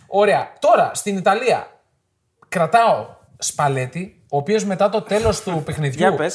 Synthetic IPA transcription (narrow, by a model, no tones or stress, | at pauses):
o̞ɾe̞ɐt̪o̞ɾɐst̪init̪ɐliɐ̰ | kɾɐt̪ɐo̞ | spɐle̞t̪i | o̞ːpio̞zme̞t̪ɐt̪o̞t̪e̞lo̞st̪upe̞xniðʝu